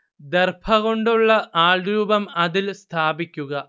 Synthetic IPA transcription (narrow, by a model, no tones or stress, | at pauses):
d̪erbʰɐɣo̞ɳɖuɭːɐʔaːɭɾuːbɐmɐðilst̪ʰaːbikʲːuɣɐ